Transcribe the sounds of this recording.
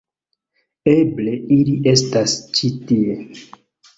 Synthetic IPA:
eble̞iliʔe̞stast͡ʃitie

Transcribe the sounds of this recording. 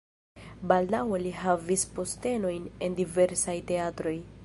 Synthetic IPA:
baldaweliɦavispo̞ste̞no̞jne̞ndive̞ɾsajte̞atɾo̞j

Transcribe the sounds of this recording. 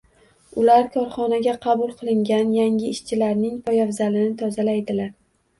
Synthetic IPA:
ʊlaɾkʰɒɾχɒnaɡʲaqʰɑbʊlˠqʰɨlˠɪŋɡʲanjaŋʲɪɪʃt͡ʃʰɪlaɾnɪŋpɒjɒvzalɪnɪt̪ʰɒzalajd̪ɪlaɾ

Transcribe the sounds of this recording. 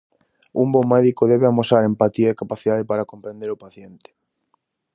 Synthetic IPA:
umbomɛðikoðɛβɪamosaɾempat̪iɐekapaθiðaðepaɾakompɾẽnd̪eɾopaθjent̪ɪ̥

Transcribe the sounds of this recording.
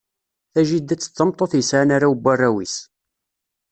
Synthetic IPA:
θæʒid̪æt͡sːə̥t͡sːəmt̪ˤːoθjəsʕanaɾawbːarːæwis

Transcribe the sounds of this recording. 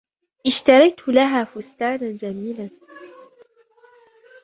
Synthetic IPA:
ʔɪʃt̪ɑɾˤɑjt̪ʊlaɦaːfʊst̪aːnand͡ʒamiːlan

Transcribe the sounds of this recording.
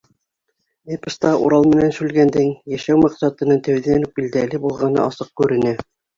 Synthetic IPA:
epɤ̆st̪ɑʔuɾɑlˠmɘ̆nænsʉlɡænd̪ɘŋjæʃæwmɑqsɑt̪ɤ̆nɤt̪æwðænup̚bild̪ælɘbulˠʁɑnɤ̰ʔɑsɤq̚kʉɾɘ̆nɘ

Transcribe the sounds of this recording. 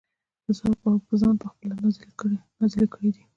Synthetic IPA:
əzɑbawkəzɑnpəxpəlanaznazlikəɽid̪i

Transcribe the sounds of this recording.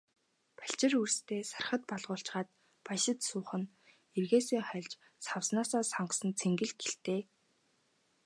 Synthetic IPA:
pḁɬt͡ɕɪ̆rurst̪ʰeːsarχə̆t̪̚pɔɮʁʊːɬt͡ɕʁaːt̪̚ | pajʃɪ̆t̪sʊːχə̆n | erɣeːsiːŋχœɮʲt͡ɕ | sawsnaːsɔːsaɴɢsə̆nt͡sʰeŋɡɘ̆ɮɡeɬt̪eː

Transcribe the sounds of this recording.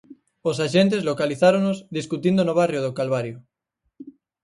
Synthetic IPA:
os̬aʃent̪̬ezlokaliθaɾonozðiskut̪ind̪onoβ̞arjoð̞okalβaɾjo

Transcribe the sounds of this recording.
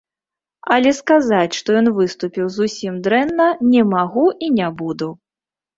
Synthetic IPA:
ɐlʲɛskazat͡sʲʂt̪ɔjɔnvɨst̪upʲiwzusʲimd̪ɾɛnːɐnʲɛmaɣuʔinʲabud̪u

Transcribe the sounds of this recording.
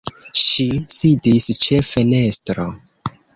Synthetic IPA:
ʃisidist͡ʃe̞fe̞ne̞stɾo

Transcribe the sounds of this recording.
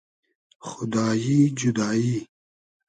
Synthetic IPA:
xʊd̪ɑːjid͡ʒʊd̪ɑːjiː

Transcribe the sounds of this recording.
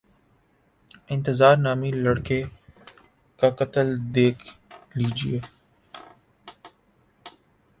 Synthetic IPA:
ɪ̃nt̪ɪzaːɾnaːmiːləɽkeː | kakət̪əld̪eːkʰliːd͡ʒḭeː

